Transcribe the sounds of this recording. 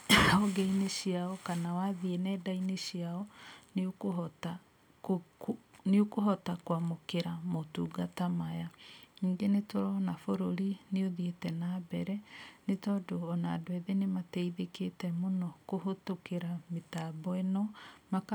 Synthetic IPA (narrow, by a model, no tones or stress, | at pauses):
ɔɡeineɕiaɔkanawaðienɛːdaineɕiaɔnkɔta | neokohɔtakwamokeɾamotuːɡatamajaiːŋɡenetoɾɔnafoɾoɾineoðietɛnaːbɛɾɛnetɔdoɔna̰dwɛðenematɛiðeketɛmonɔkoɦotokeɾametabɔɛnɔmak